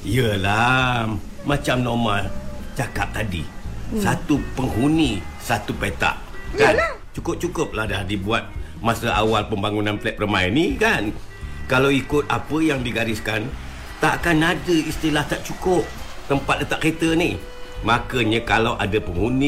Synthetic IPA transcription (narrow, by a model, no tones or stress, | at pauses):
ijəla | mat͡ʃamnɔmalt͡ʃakap̚t̪adḭsat̪upəŋɦunisat̪upet̪a̰ʔ | kant͡ʃukʊp̚t͡ʃukʊp̚ladadibuat̪̚ | masəa̰walpəmbaŋunanplɛp̚rəmaɛnikan | kalawikʊt̪̚apəjaŋdiɡaɾɪskan | t̪aʔkanadəist̪ilaht̪aʔt͡ʃukʊp̚t̪əmpat̪̚ət̪aʔket̪ənih | makəɲəkalaʔadapəŋhuni